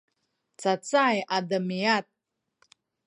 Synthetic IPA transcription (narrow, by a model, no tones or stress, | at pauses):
t͡sat͡sʼajʔadamijat̪̚